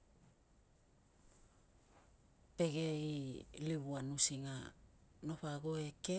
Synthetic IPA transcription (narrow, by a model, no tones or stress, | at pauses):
pe̞ɡeiliβuanusiŋano̞ɸaɡoeke